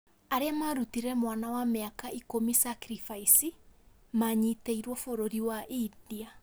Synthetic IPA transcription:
aɾeamaɾutiɾɛmwanawameakaikomisakɾifaisi | maɲiteiɾwɔfoɾoɾiwaʔidia

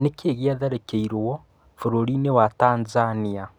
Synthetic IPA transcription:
nekeːɣiaðaɾekeiɾwɔ | foɾoɾinewataːnzania

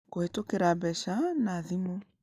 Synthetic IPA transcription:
kohetokeɾabɛʃanaðimo

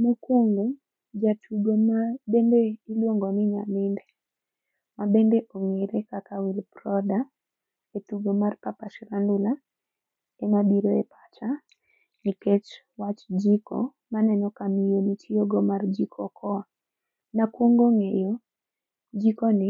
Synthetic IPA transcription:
mukwoŋɡo | d͡ʒatʰuɡomabendeilwoŋɡɔnɪɲa̰mɪndɛ | mabendeʔoŋeɾekakawilprɔda | etuɡomarpapaʃɾandʊla | ɛmabiɾoɛpḁt͡ʃa | niket͡ʃ | wat͡ʃd͡ʒiko̰ | manɛnɔkamijonitʰijoɡɔmard͡ʒikʰɔkʰɔa | nakwoŋɡoŋejo | d͡ʒikɔnɪ

